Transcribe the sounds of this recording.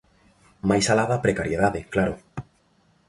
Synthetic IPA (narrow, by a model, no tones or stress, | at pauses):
majsalaðapɾekaɾjeðaðɪklaɾʊ